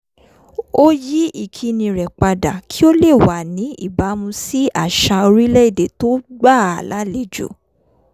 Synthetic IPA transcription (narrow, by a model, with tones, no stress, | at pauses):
o˦ji˨˦i˦˨kʰi˧nĩ˧˨ɾɛ˨k͡pa˧da˨kʰi˦o˦le˦˨wa˨nĩ˨˦ḭ˦˨ba˨˦mũ˧si˦ʔa˦˨ʃa˧o˧ɾi˦lɛ˦i˦˨de˨˦to˦ɡ͡ba˦˨a̰˨la˨˦le˨˦d͡ʒo̰˨